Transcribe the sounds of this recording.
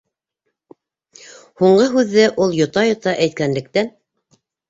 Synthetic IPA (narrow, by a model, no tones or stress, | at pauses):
huɴɢɤɦʉðːɘʔulˠjŏt̪ɑjŏt̪ɑʔæjt̪̚kænlɘ̆k̚t̪æn